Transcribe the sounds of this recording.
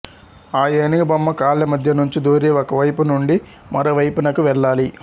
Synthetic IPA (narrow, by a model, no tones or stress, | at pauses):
aːjeːniɡɐbɐmːɐkaːɭːɐmɐd̪ʱjɐnuɲt͡ʃid̪oːɾeːɔkɐʋɐjpunuɳɖi | mɐ̰ɾɐʋɐjpunɐkuʋɛɭːaːli